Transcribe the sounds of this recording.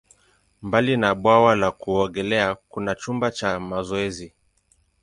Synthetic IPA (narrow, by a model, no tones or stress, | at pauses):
mbalinaɓwawalakuɔɡɛlɛakunat͡ʃumbat͡ʃamazɔɛzi